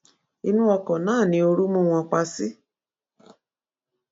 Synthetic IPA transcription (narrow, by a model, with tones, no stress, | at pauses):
i˧nũ˦ɔ˧kɔ̃˨nãː˨˦˨nĩ˧o˧ɾu˦mũ˦w̃ɔ̃˧k͡pa˧si˦